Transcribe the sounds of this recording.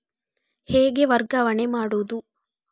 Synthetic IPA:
heːɡe̞ʋɐɾɡɐʋɐɳemaːɽoːd̪u

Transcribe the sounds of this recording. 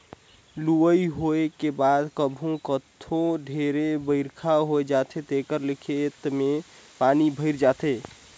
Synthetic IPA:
luəiɦoekebad̪kəbʱũkət̪ʰõɖʱeɾebəɪɾkʰaɦoed͡ʒat̪ʰet̪ekəɾlɪkʰet̪mepanibʱəɪɾd͡ʒat̪e

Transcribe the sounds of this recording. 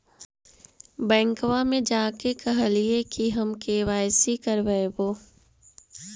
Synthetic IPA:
bɛ̃ːŋkwamẽd͡ʒaːkekɐɦliekiɦɐmkeːʋaːjsikɐɾʋəeboː

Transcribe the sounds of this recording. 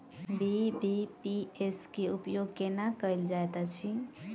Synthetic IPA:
bibipieskeupjoɡkenakəld͡ʒajt̪at͡ʃʰi

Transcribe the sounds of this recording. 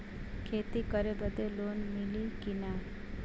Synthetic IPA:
kʰeːt̪ikəɾebəd̪eloːnmɪlikina

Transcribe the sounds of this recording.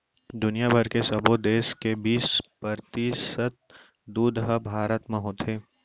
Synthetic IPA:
d̪ʊnijabʱɐɾkesɐbod̪eːskebiːspɐɾt̪isət̪̚ | d̪uːd̪ɦəbʱaːɾət̪mɐ̃ɦõːt̪ʰeː

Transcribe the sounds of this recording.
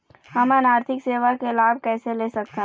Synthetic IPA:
hɐmɛnaːɾt̪ʰɪkseːʋakelaːb̚ʱkɛːseleːsɐk̚t̪eɦ

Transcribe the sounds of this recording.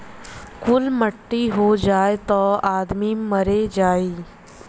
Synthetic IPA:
kʊlməʈːiɦod͡ʒaːet̪ɔːaːd̪miməɾed͡ʒaːiː

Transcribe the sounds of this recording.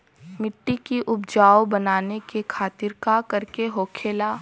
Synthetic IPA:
mɪʈːikiʔʊbd͡ʒaːobɐnaːnekekʰaːt̪ɪɾkakɐɾkeɦoːkʰeːlaː

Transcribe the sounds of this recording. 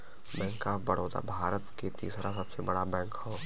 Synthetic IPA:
bɛ̃ːŋkːabɐɽ̤oːt̪a̰bʱaːɾət̪ket̪ḭːsɾasɐbsebɐɽabɛ̃ːkhoː

